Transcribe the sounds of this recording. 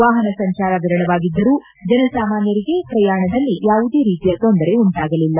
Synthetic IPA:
ʋaːɦɐnɐsɐɲt͡ʃaːɾɐʋiɾɐɳɐʋaːɡid̪ːɐɾuː | d͡ʒɛnɐsaːmaːnjɐɾiɡe̞pɾɐjaːɳɐd̪ɐlːijaːʋud̪e̞ːɾiːt̪ijɐt̪o̞nd̪ɐɾe̞uɳʈaːɡɐlilːɐ

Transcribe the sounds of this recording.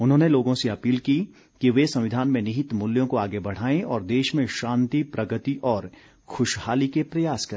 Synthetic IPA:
ʊnɦõːneloːɡõseɐpiːlki | kiʋesɐ̃mʋɪd̪ʱaːnmẽnɪɦɪt̪mʊljõkoaːɡebɐɽ̤aːẽʔɔːɾd̪eːʃmẽʃãːnt̪ipɾɐɡət̪iʔɔːɾ | xʰʊʃhaːlikepɾɐjaːskɐɾeː

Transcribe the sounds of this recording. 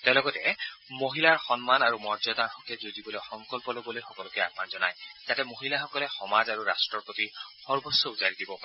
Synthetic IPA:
tɛwlɔɡɔtɛmoɦilaɹxɔnmanaɹumɔɹzɔdaɹxɔkʰɛzodiboloxɔŋkɔlpɔlobɔlojxɔkɔlʊkɛa̰panzɔna̰jzatɛmoɦilaxɔkɔlɛxɔmazaɹuɹastɹɔpɹotixɔɹbɔsːɔuzaɹidibɔpa

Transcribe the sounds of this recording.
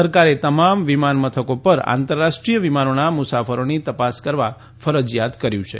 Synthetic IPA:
əɾkaɾet̪əmamʋimanmət̪ʰəkopəɾa̰nt̪əɾːaʃʈɾijəʋimanonamʊsafəɾonit̪əpaskəɾʋa | fəɾəd͡ʒjat̪kəɾjũt͡ʃʰḛ

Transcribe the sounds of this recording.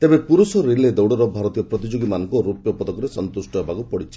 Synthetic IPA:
t̪ebepuɾusɔɾiled̪ɔwɽɔɾɔbʱaɾɔt̪ijɔpɾɔt̪id͡ʒoɡimanɔŋkɔɾupjɔpɔd̪ɔkɔɾesɔnt̪usʈɔabʱaɡupɔɽit͡ʃʰi̥

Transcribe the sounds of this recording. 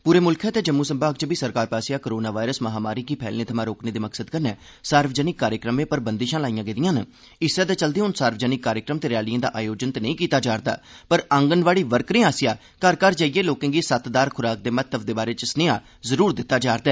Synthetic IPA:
puːɾeːmʊlkʰɛːt̪eːd͡ʒəmːuːsəmbaːɡt͡ʃəbiːsəɾkaːɾpaːsɪjaːkoɾoːnaːʋaːɪɾəsməɦaːmaːɾiːkiːpʰɛ̰ːlneːt̪ʰəmãːɾoːkneːd̪eːməksəd̪kəɾnɛː | saːɾfd͡ʒəːnɪkːaːɾjəkɾəmẽːpəɾbənd̪iːʃãːlaːijãːɡed̪ijãːnə | ɪsaːt̪eːt͡ʃəld̪eːʊnsaːɾʋd͡ʒəːnɪkːaːɾjəkɾəmt̪eːɾɪjaːlijə̃ːd̪a̰ːʔaːjoːd͡ʒənt̪enəĩːkiːt̪aːd͡ʒaːɾd̪a̰ːpəɾəŋɡənʋaːɽiːʋəɾkɾẽːaːsɪjaː | kaɾkaːɾd͡ʒaːiːeːloːkɪ̃ŋɡiːsət̪d̪aːɾkʰʊɾaːk̚d̪eːmət̪ːəbd̪eːbaːɾeːt͡ʃəsneːaː | zəɾuːɾd̪ɪt̪ːaːd͡ʒaːɾd̪ɛː

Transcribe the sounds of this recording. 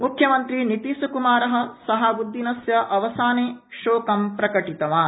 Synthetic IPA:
mukʰjɐmɐnt̪ɾinit̪iːsɐkumaːɾɐɦɐ̆sɐɦɐbud̪ʱːinɐsjɐʔɐʋɐsaːneːʃoːkɐmpɾɐkɐʈit̪ɐʋaː

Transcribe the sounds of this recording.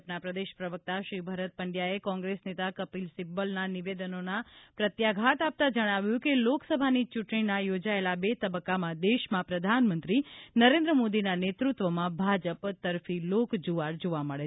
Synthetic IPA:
pnapɾəd̪eʃpɾəʋək̚t̪aʃɾibʱəɾət̪̚pəɳɖjaekɔ̃ŋɡɾesnet̪akəpilsɪbːəlnaniʋed̪ənonapɾət̪jaɡʱat̪ap̚t̪ad͡ʒəɽ̃aʋjũkeloksəbʱanit͡ʃuʈɳinajod͡ʒaelabet̪əbəkːamãd̪eʃmãpɾəd̪ʱanmə̃nt̪ɾinəɾẽnd̪ɾəmod̪inanet̪ɾut̪ʋəmãbʱad͡ʒəpt̪əɾfilokd͡ʒoʋaɾd͡ʒoʋaməɭe

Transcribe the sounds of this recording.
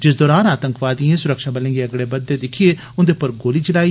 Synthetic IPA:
d͡ʒɪs̬d̪ɔːɾaːnaːt̪ə̃ŋkʋaːd̪iẽsʊɾəkʃabəlẽːɡeɐɡɽebɐd̪ːed̪ɪkʰieː | ʊ̃nd̪epɐɾɡoːliːt͡ʃɪlaːiː

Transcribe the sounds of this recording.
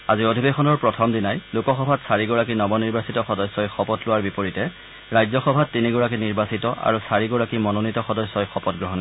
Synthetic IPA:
aziodʱibexɔnɔɹpɹɔtʰɔmdinajlʊkɔxɔbʱatsaɹiɡɔɹakinɔbɔniɹbasitɔxɔdɔsːɔjxɔpɔtlʊwaɹbipoɹitɛ | ɹajzɔxɔbʱatːiniɡɔɹak̬iniɹbasitɔʔa̰ɹusaɹiɡɔɹakimɔnonitɔxɔdɔsːɔjxɔpɔtɡɹɔɦɔn

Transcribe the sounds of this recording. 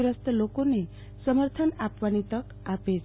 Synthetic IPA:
ɾɔst̪ɔlokone | sɔməɾt̪ʰɔnapʋanit̪ɔk | ape

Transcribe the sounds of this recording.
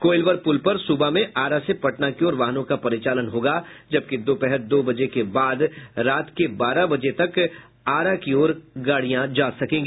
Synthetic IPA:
koːɪlʋəɾpʊlpɐɾsubamẽʔaːɾasepɐʈnakiɔːɾʋaːɦnõkapɐɾɪt͡ʃaːlənɦoːɡad͡ʒɐb̚kid̪oːpɛɦəɾd̪oːbɐd͡ʒekebaːd̪ɾaːt̪kebaːɾabɐd͡ʒet̪ɐk | aːɾakiɔːɾɡaːɽijãd͡ʒaːsɐkẽːŋɡiː

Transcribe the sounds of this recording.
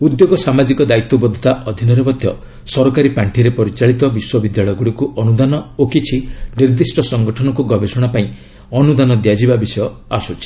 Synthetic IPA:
ud̪joɡɔsamad͡ʒikɔd̪ait̪ːɔbɔd̪ʱɔ̥t̪aʔɔd̪ʱinɔɾemɔd̪ʱjɔ̰ | sɔɾɔkaɾipaɳʈʰiɾepɔɾit͡ʃaɭit̪ɔbiswɔbid̪jaɭɔjɔɡuɽikuʔɔnud̪anɔokit͡ʃʰiniɾd̪isʈʰɔsɔŋɡɔʈʰɔnɔkuɡɔbesɔɽ̃apaĩ | ɔnud̪anɔd̪jad͡ʒibabisɔjɔasut͡ʃʰi̥

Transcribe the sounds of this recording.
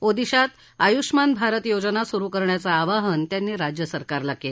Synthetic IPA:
od̪iɕat̪ | ajuʂmanbʱaɾət̪jod͡zənasuɾuːkəɾɳjat͡saːʋaɦənt̪janːiːɾad͡ʑjəsəɾkaɾlakːel

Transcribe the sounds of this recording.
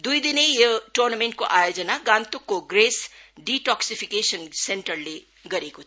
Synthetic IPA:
d̪ujd̪inejʌʈornameɳʈ̚koʔaːjod͡zənaɡãnt̪ukːoɡɾesɖiʈɔksipʰikesənseɳʈɐrle | ɡʌɾekot̪ʰ

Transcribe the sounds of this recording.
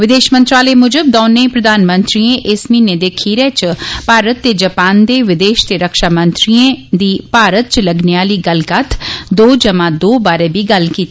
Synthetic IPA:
ʋɪd̪eːʃmənt̪ɾaːleːmʊd͡ʒəb̚d̪ɔːnẽːpɾəd̪aːnmə̃nt̪ɾiẽʔɪsmĩːneːd̪eːkʰiːɾɛːt͡ʃpaːɾət̪ːeːd͡ʒəpaːnd̪eːʋɪd̪eːʃt̪eːɾəkʃaːmə̃nt̪ɾiẽd̪iːpaːɾət̪̚t͡ʃləɡneaːliːɡəlɡət̪ʰd̪oːd͡ʒəmãːd̪oːbaːɾeːbiːɡəlkiːt̪ː

